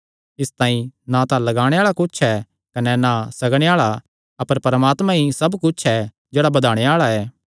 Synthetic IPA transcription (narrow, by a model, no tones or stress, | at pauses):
ɪst̪ãːĩnãt̪ãlɐɡaːɽ̃eaːɭakʊt͡ʃʰɛ | kɐnɛnasɐɡɽ̃eaːɭa | ɐpəɾpɐɾmaːt̪mãɦisɐbkʊt͡ʃʰɛ | d͡ʒɛːɽabɐd̪ʱaːɽ̃eaːɭaɛː